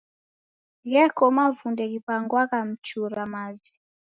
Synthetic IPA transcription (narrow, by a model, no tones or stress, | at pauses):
ɣɛkɔmavundɛkipaŋɡwakam̩t͡ʃuɾamavi